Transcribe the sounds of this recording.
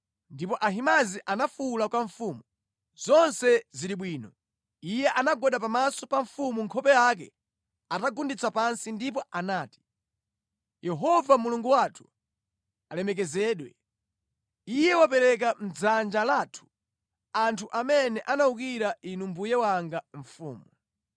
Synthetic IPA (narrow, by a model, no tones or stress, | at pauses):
ndipɔʔaɦimaziʔanafulakwaɱfuːmu | z̥ɔnsɛziɾiɓwiːnɔ | ijɛʔanaɡɔɗapamasɔpaɱfumuŋkʰɔpɛjak̬ɛ̰ | ataɡundit͡sapansindip̬ɔʔanaːti̥ | jɛɦɔvamuluŋɡuwatʰu̥ | alɛmɛk̬ɛzɛːɗwɛ | ijɛwap̬ɛɾɛk̬am̩d͡zand͡ʒalaːtʰu̥ | antʰuʔamɛnɛʔanauk̬iɾaʔinumbujɛwaŋɡaɱ̩fṵːmu